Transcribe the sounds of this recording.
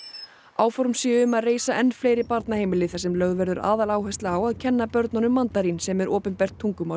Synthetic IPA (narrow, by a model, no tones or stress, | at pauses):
aːwfɔɾmsɪːʏmaðreːjsaʔɛnːfleːjɾɪpaɾt̪naheːjmɪlɪθɛsːɛmlœɣðvɛɾðʏɾa̰ːðalaːwɦɛjst̪laawaðcʰɛnːapœɾt̪nɔnʏmːant̪aɾinsɛmɛɾʔɔːpʏnpɛr̥t̪ʰːuŋkʏma